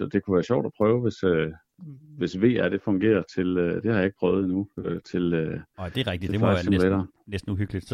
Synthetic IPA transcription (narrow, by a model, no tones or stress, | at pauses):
sɒ̽d̥e̝kʰuʋæːɐɕɒ̰ʊ̰d̥ɒpʰʁœːʊʋe̝sø | ʋe̝sʋe̝̰ːæɾ̥e̝fɔ̽ŋɡ̥e̝̰ːɐt͡sʰe̝lød̥e̝hɑ̈jɑe̝ɡ̥̚pʰʁœːʊð̞̩ˠinuøt͡sʰe̝lød̥eʁɛɡ̥̚d̥i̥e̥ɑsemlleɾ̥ɐː | nesd̥n̩uhyɡ̥li̥